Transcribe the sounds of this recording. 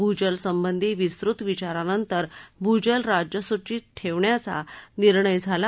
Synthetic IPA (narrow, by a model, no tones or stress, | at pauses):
bʱud͡ʑəlsəmbənd̪ʱiːʋist̪ɾut̪ʋit͡ɕaɾanənt̪əɾbʱud͡ʑəlɾad͡ʑjəsut͡ɕiːt̪̚ʈʰeʋɳjat͡sa̰niɾɳəjd͡zʱala